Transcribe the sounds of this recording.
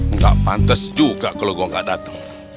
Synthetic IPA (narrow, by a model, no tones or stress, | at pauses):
ŋɡa̰ʔpant̪əsd͡ʒuɡaʔkaloɡɔŋɡa̰ʔdat̪ə̥ŋ